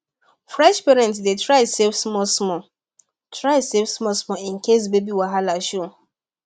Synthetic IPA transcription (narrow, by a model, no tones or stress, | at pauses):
fɹɛʃpɛɾɛ̃ntsdetɾaɪsefsmɔsmɔ | tʰɾaɪsevsmɔsmɔɪ̃nkes̬bebiwaɦalaʃo